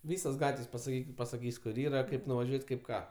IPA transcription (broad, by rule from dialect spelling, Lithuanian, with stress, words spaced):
ˈʋʲiːsoːs ˈɡɑːtʲʋʲeːsʲ pɐsɐˈkʲiːkʲɪt pɐsɐˈkʲiːsʲ kʊr ˈiːrɐ ˈkɐɪp nʊʋɐˈʒʲuɔtʲ ˈkɐɪp ˈkɑː